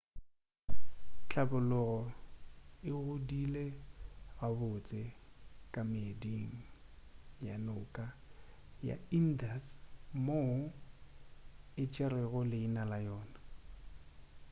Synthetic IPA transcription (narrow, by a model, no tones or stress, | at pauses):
t͡ɬʰʼabʊlʊɣɔ | ɪɣʊdileɣabʊt͡sʼɪkʼamɪdiŋ̩ | ja̰nʊkʼa | ja̰in̩dasmo | ɪt͡ʃʼɛrɛɣʊlɪinalajɔːna